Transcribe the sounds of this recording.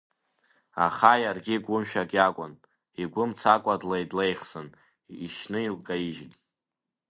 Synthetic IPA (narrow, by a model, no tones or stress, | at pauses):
a̰χajarɡʲiɡʷʊmʃᶣakʼjakʷʼʊn | iɡʷʊmt͡sʰakʷʼadlaidlejχsɨn | iʃnɨilkʼaiʒɪnʼ